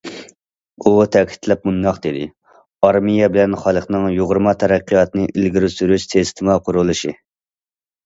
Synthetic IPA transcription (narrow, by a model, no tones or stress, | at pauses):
ut̪ʰɛkʲʰi̥t̪ʰlɛp̚mund̪ɑqd̪ed̪ɪ̰ | ɑɾmijɛbɪlɛnχɑlˠəχnɨŋjoʁɾmɑt̪ʰɛɾæqːijɑt̪ɨnɨʔilɡʲiɾsyɾyʃt̪ʰest̪ʰɨmɑqʰʊɾulˠɨʃi